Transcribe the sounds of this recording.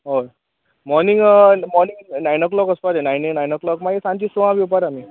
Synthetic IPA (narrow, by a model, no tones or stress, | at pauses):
ɦo | mɔɾniŋɡmɔɾniŋɡnajnɔklɔkəspaɾenajnenajnəklɔkmaɡesãnt͡ɕisuʋãʋiwpaɾami